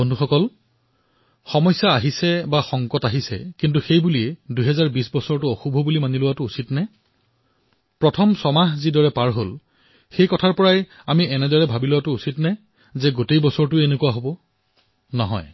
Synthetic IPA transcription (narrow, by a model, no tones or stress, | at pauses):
bondʱuxɔkɔl | xɔmɔjsaːɦisɛbaxɔŋkɔtaɦisɛ̰kint̬uxejbuliɛduɦɛzaɹbisbɔsɔɹtʊɔxubʱɔbulimanilʊwatʊusitnɛ | pɹɔtʰɔmsɔmaɦzidɔɹɛpaɹɦol | xejkɔtʰaɹpɔɹaj | amiɛnɛdɔɹɛbʱabilʊwatʊusitnɛ | zɛɡotejbɔsɔɹtʊenekuwaɦobɔ | nɔɦɔ̰j